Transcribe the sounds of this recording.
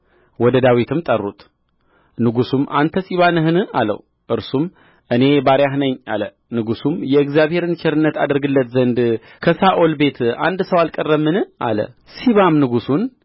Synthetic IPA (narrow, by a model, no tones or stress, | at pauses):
wɔd̪əd̪awit̪ʰɨmt̪ʼərːṵt̪ | nɨɡusumʔa̰nt̪ʰəsiβanɨɦɨnɨa̰lə̰w | ʔɨɾsum | ʔɨne̞baɾjaɦnəɲːa̰lə | nɨɡusumjɛɨɡzjaβhe̞ɾɨnt͡ʃʰɛɾɨnːət̪ad̪ɨɾɡɨlːət̪zənd̪ | kʰəsaʔolbe̞t̪ʰa̰nd̪səwalkʼərːəmːɨnɨa̰lə̰ | siβamnɨɡusun